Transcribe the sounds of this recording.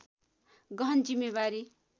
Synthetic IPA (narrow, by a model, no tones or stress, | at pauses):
ɡʌʌnd͡zimːeβaɾi